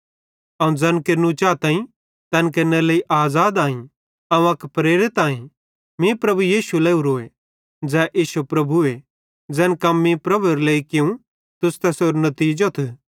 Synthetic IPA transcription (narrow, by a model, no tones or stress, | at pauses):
ɐũd͡zɐ̃ːnkeɾnũt͡ʃaːt̪ãːĩ | t̪ɐnk̬eɾneleiʔaːzaːd̪aːĩ | ɐũɐkpɾeːɾɪt̪aːĩ | mĩpɾɐbujiːʃulɐiuɾoːe | d͡zɛːʔiːsupɾɐbʱue | d͡zɛːnkɐmːĩpɾɐbuɾleːikɪũ | t̪ʊst̪ɐsoːɾnɐt̪iːd͡ʒot̪ʰ